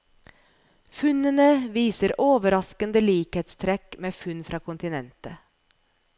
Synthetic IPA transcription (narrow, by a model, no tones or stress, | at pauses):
fʉnənəʋiːsəɾoːʋəɾɑskənd̪əliːkheːt̪st̪ʰɾɛkmeːfʉnfɾʔɑːkʰʊnt̪ɪnɛnt̪ə